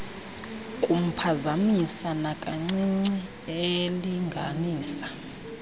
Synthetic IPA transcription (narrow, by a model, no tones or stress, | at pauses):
kʼum̩pʰazamisanakʼaŋ͡ǀiŋ͡ǀɛ | eliŋɡʱa̰niːsḁ